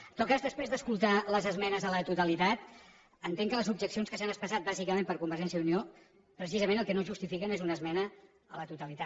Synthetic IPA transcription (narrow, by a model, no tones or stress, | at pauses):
t̪ɔt̪̚kazðəspɾezðəskulˠt̪aləzəzmɛnəzələt̪ut̪əlit̪at̪ | ənt̪eŋkələzub̚ʒəksionskəsanəspəsat̪̚bazikəmẽmpəɾkumbəɾʒɛnsjəunio | pɾəsizəmẽnəlˠkənoʒust̪ifikənezunəzmɛnə | ələt̪ut̪əlit̪a